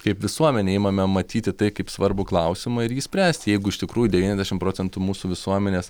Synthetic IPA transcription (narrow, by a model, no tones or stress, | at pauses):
kɐɪpʋʲɪsuɔmʲɛnʲeːɪːmɐmʲɛmɐt̪ʲiːt̪ʲɪt̪ɐɪkɐɪpsʋɐɾbʊklˠɐʊsʲɪmɐɪɾjiːsʲpʲɾʲæːsʲt̪ʲjɛɪɡʊɪʃt̪ʲɪkɾuːjʊd̪ʲɛʋʲinʲɛzʲd̪ʲæɛʃɪmpɾoːt͡sʲɛnt̪ʊmuːsuːʋʲɪsuɔmʲɛnʲeːs